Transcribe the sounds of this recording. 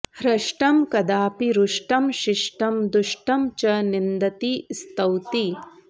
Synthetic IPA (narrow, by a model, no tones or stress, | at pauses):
hɾɐʃʈɐmkɐd̪aːpiɾuʂʈɐmʃɪʂʈɐmd̪uʃʈɐmt͡ʃɐnind̪ɐt̪ist̪ɐwt̪i